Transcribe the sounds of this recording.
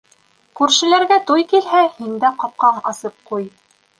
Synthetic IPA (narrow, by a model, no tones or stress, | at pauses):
kʉɾʃɘ̆læɾɡæt̪ujkilɦæhind̪æqɑp̚qɑɴɑsɤp̚quj